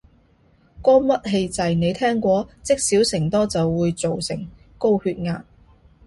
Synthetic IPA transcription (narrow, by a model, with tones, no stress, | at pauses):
kɔː˥mɐ˥t̚ɦe˧jt͡sɐ˨jne˨˧jt̪ʰɛː˥ŋkʷɔː˧t͡sɪ˥k̚siː˨˥wsɪ˨˩ŋt̪ɔː˥t͡sɐ˨wːuː˨˧jt͡so˨wsɪ˨˩ŋ | ko˥whyː˧t̚ŋaː˨n